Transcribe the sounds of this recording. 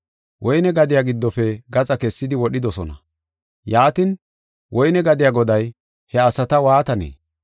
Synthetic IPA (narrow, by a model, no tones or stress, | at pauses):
wʔɔjnɛɡɐd̪ɪjaːɡɪd̪ːɔfɛɡɐt͡sʼɐkɛsːɪd̪ɪwɔɗɪd̪ɔsɔnɐ̰ | jaːt̪ɪn | wʔɔjnɛɡɐd̪ɪjaːɡɔd̪ɐj | hɛɐsɐt̪ɐwaːt̪ɐnḛː